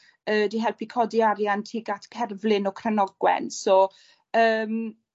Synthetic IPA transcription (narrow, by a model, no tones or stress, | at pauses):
əːdiɦɛlˠpʰikʰɔdiaɾjantʰiːɡatʰkʰɛrvlɪnɔkʰrənɔɡwɛ̰nsɔ | əːm